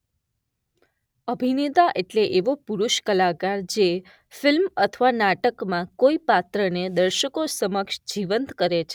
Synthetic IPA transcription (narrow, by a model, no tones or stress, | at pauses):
əbʱinet̪aʔeʈleʔeʋopuɾuʃkəlakaɾd͡ʒe | filmət̪ʰʋanaʈəkmãkoipat̪ɾəned̪əɾʃəkosəməkʃd͡ʒiʋənt̪kəɾet͡ʃʰe